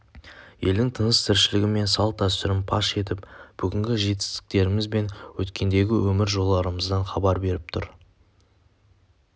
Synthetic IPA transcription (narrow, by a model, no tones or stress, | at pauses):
je̞̰ld̪ɪŋt̪ʰənəst̪ʰɪɾʃɪlɪɡʲɪme̞nsɑlˠt̪ɑsʏɾɪmpʰɑ̰ʃe̞t̪ɪpb̥ʏɡʲɪŋɡʲɪʒe̞t̪̬ɪ̥st̪ɪ̥k̚t̪e̞ɾɪmɪzbe̞nwɵt̪kʲe̞nd̪e̞ɡʲɪwɵmɪɾʒo̞lˠːɑɾəməzd̪ɑɴχɑbɑɾbe̞ɾɪp̚t̪ʰʊɾ